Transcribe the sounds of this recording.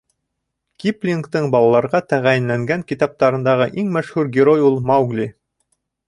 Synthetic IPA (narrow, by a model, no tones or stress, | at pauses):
kʲiplʲiŋkt̪ɤɴbɑlˠɑlˠɑɾʁɑt̪æʁæjɘ̆nlæŋɡæŋkʲit̪ɑp̚t̪ɑɾɤ̆nd̪ɑʁɤʔiŋmæʃhʉɾɡʲɪɾojulˠmawɡlʲi